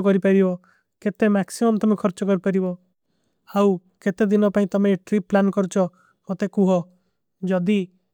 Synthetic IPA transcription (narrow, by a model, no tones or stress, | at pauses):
kɔɾipaɾibɔ | ket̪emaksimɔmt̪ɔmekʰɔɾt͡ʃɔkɔɾipaɾibɔ | haw | ket̪ed̪inɔpaĩt̪ɔmeʈɾipːlankɔɾt͡ʃʰɔ | mot̪ekuɦɔ | d͡ʒɔd̪i